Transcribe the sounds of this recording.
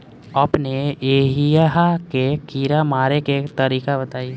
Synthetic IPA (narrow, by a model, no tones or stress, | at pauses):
əpneeːɦijaɦakekiːɾamaːɾeket̪əɾiːkabət̪aːi